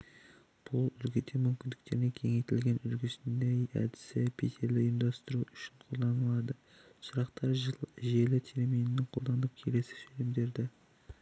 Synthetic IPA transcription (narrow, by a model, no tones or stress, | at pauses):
b̥ʊlˠʏlɡʲet̪ʰe̞mʏmkʲɪnd̪ɪkt̪e̞ɾɪne̞kʲʰe̞ŋejt̪ɪlɡʲe̞nʏlɡʲɪsɪnd̪ejæ̰d̪ɪ̥sɪpʰet̪ʰe̞ɾlɪjɪmd̪ɑst̪əɾuʏʃɪɴqʰo̞lˠd̪ɑnəlˠɑd̪ə | ʃəɾɑqt̪ɑɾʒe̞lɪt̪ʰeɾemijnɪːɪqʰo̞lˠd̪ɑnənəp̚kʲʰe̞le̞sɪ̥filɪmd̪e̞ɾd̪ɪ